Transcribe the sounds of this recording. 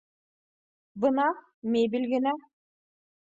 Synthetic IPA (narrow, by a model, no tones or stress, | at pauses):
bɯnɑ | mebilʲɡinæ